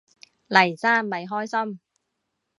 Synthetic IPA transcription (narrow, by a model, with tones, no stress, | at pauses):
lɐ˨˩jt͡saː˥nmɐ˨˧jɦɔː˥jsɐ˥m